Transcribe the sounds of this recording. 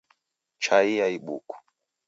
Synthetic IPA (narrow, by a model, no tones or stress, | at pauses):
t͡ʃaiaiɓṵku̥